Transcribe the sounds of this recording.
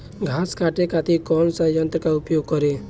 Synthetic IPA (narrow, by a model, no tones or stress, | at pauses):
ɡʱaːskaʈekat̪ikɔːnsajənt̪ɾəkaʊpjoːɡ̚kɔɾe